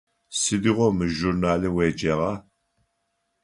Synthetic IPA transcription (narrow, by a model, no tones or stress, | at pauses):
sɨd̪iʁʷɔmɨʒurnaːlɨweːd͡ʒɐʁɑ